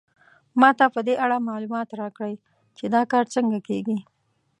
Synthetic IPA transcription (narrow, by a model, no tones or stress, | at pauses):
mɑt̪apəd̪eʔaɽamɑlumɑt̪ɾɑkɽəj | t͡ʃed̪ɑkɑɾt͡səŋɡakeɡi